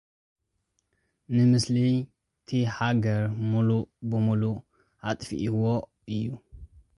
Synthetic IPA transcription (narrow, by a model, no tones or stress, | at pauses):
nɨmɨsli | t̪ʰiħaɡɐɾmulubɨmulu | ʔat̪ʼfḭʔiwo | ɨjːu